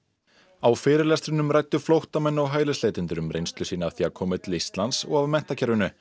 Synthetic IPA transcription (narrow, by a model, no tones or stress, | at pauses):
awfɪːɾɪɾlɛst̪ɾɪnʏmɾajt̪ːʏflowht̪amɛnːɔwɦaːjlɪsleːjt̪ɪnt̪ʏɾʏmɾḛjnst̪lʏsiːnaaθiːakʰɔːmɪt̪list̪lansɔɣavmɛn̥t̪acʰɛɾvʏnʏ